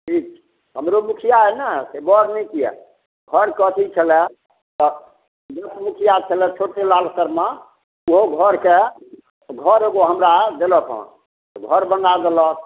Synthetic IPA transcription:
ʈʰik̚t͡ʃʰ | ɦəmɾomukʰijaɛnəsebɔɽnɛjkijɛ̰ | ɡʱəɾkət̪ʰit͡ʃʰəlɛ | t̪ɔ | mut̪ʰmukʰijat͡ʃʰəlɛt͡ʃʰoʈelalsəɾma | uɦoɡʱəɾke | ɡʱəɾeɡoɦəmɾad̪elət̪ʰɦɔ̰̃ | t̪ɔɡʱəɾbənɡ̪ad̪elək̪̚

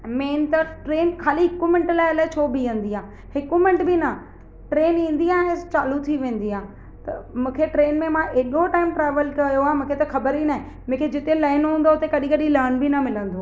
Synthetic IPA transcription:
meːnt̪ɐʈɾeːnkʰaːliɦɪkumɪ̃ɳʈlaːɪɐlaːɪt͡ɕʰoːbiʋẽːn̆d̪iãː | hɪkumɪ̃ɳʈbɪnɐ | ʈɾeːnĩːnd̪iãːɦẽt͡ɕaːlut̪ʰiʋẽːnd̪iãː | t̪ɐmũːkʰeʈɾeːnmẽmãʔeːɗoʈaːɪmʈɾaːʋəlkɐjoaːɦemũːkʰet̪ɐxɐbəɾinaːɦɪ̃ | mũːkʰed͡ʑɪt̪ẽlaːɪnɦũːn̆d̪oʊt̪ekɐɗĩkɐɗĩlɐɾnbʱinɐmɪlə̃nd̪oː

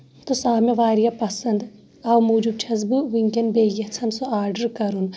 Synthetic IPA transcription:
t̪osaːmeʋaːɾijapɐsɐnd̪ | ɐwmuːd͡ʒub̚t͡ʃʰɐzbuʋiŋkɐnbeːjɐt͡sʰɐnsoaːɾɖɐɾkɐɾun

